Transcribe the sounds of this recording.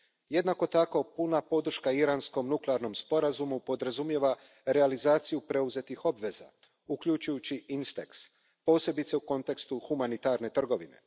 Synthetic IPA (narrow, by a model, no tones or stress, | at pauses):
je̞d̪nako̞t̪ako̞punapo̞d̪r̩ʃkaiɾansko̞mnukleaɾno̞mspo̞ɾazumupo̞d̪ɾazumje̞ʋa | ɾealizaːt̪sijupɾe̞uze̞t̪ixo̞bʋe̞za̰ | ukʎut͡ʃujut͡ɕiinst̪eks | po̞ːse̞bit̪seuko̞nt̪e̞kst̪uxumanit̪aɾne̞t̪r̩ɡo̞ʋine̞̰